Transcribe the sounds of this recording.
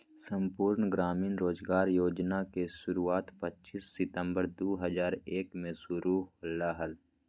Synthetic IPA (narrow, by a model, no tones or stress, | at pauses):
sə̃mpuːɾɳɡɾaːmiːnɾoːzɡaːɾjoːd͡ʒnakeʃʊɾuaːt̪pətːt͡ʃisːɪt̪ə̃mbəɾd̪oːɦəzaːɾeːkmẽsʊɾuːlːaːɦəl